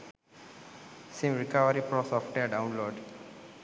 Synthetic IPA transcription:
sĩmɾikaʋəɾipɾɔsɔfʈeɖãʊ̃nloːɖ

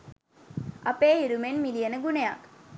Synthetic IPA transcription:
ʔɐpeːiɾumenmilijɐnəɡunejak

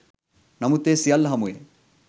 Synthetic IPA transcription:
nɐmut̪ːesijɐlːɐɦɐmujḛ

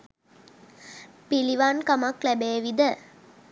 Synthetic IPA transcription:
piliʋankamaklæbeːʋid̪ə

